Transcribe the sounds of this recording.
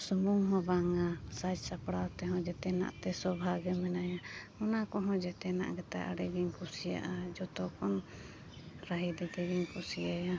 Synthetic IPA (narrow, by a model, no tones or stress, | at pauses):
sumuŋɦɔ̃baŋasad͡ʒsapɽat̪ɛɦɔ̃d͡ʒɛt̪ɛna̰ʔt̪ɛsɔbʱaɡɛmɛnaja | ɔnakɔɦɔ̃d͡ʒɛt̪ɛna̰ʔɡɛt̪a̰ʔa̰ɽɛɡiɲkusija̰ʔad͡ʒɔt̪ɔkɔn | ɾaɦid̪ɛt̪ɛɡiɲkusijaja